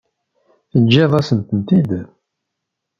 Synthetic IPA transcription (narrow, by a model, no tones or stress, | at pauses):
θənʒiðˤɑsənt̪ənt̪id̪